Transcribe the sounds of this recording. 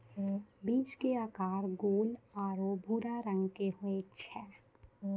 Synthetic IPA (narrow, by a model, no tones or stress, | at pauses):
biːd͡ʒkeaːkaːɾɡoːlaːɾobʱuːɾaɾə̃ŋɡkeɦoet͡ʃʰɛː